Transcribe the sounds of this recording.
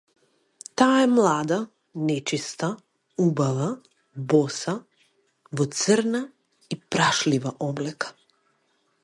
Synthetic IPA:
t̪aːɛmlˠad̪a | nɛt͡ʃist̪a | ubava | bɔsa | vɔt̪səɾna | ipɾaʃlivaʔɔblɛkḁ

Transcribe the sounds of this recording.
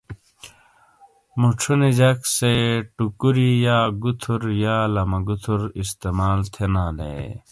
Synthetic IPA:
muʈ͡ʂʰunid͡ʑɐkseʈukuɾijaːɡut̪ʰuɾjaːlɐmɐɡut̪ʰuɾist̪emaːlt̪ʰenaːlḛ

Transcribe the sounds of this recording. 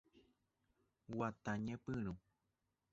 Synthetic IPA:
wat̪aɲẽpɨ̃ɾũ

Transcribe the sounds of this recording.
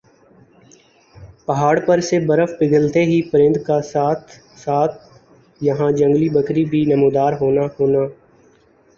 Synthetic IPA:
pəɦaːɽpəɾseːbəɾəfpɪɡəlt̪eɦiːpəɾɪ̃nd̪kaːsaːt̪ʰ | saːt̪̚ʰ | jəɦãːd͡ʒə̃ŋɡliːbəkɾiːbʱiːnəmuːd̪aːɾɦoːnaːhoːnaː

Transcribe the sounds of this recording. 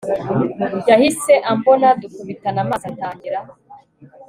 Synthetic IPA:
ɟahise̞ʔambo̞nadukuβitanamaːzantaːɲɟiɾa

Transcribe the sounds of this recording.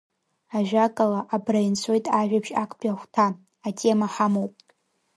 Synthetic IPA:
aʒᶣakʼalaʔabrajnt͡sʷʰo̞jtʼaʒᶣapʰʃakʷʰʼpʼaχʷtʰa | atʼe̞maħamowpʼ

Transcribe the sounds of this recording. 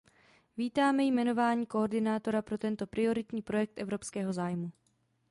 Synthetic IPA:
viːt̪aːmɛjmɛno̞vaːɲiːko̞ːɾdɪnaːt̪o̞ɾapɾo̞t̪ɛnt̪o̞pɾɪo̞ɾɪt̪ɲiːpɾo̞jɛk̚t̪ʔɛvɾo̞pskɛːɦo̞zaːjmu

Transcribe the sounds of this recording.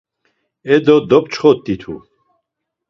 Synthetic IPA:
ɛd̪ɔd̪ɔp̚t͡ʃχɔt̪ːit̪ʰṵ

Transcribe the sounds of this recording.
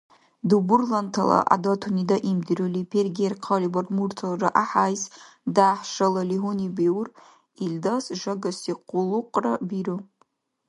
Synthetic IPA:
dubɨrlantʰala̰ʔa̰datʰunidaʔimdɨrulipʰerɡʲerqʰalibarmurtʰalraʔaħajz | daːħʂalaliɦunibiwr | ildasʐaɡasiqʷʼʊluqʼrabiru

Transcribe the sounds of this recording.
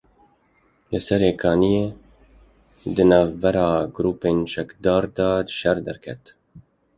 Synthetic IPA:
lɨsɛɾeːkʰɑːnijeː | d̪ɨnɑːvbɛɾɑːɡɾuːpeːnt͡ʃɛkd̪ɑːɾd̪ɑːd̪ɨʃɛɾd̪ɛɾkʰɛ̰t̪

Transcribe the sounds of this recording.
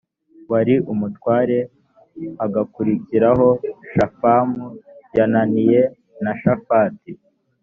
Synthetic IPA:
waɾiʔumutwaːɾe̞ | aɡakuɾiciɾaɦo̞ʃafamujananije̞ | naʃafaːti

